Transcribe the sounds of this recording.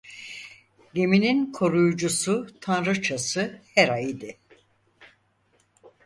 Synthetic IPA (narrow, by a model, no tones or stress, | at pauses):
ɟe̞mininkʰo̞ɾujud͡ʒusut̪ʰanɾɯt͡ʃʰasɯhɛɾaid̪ɪ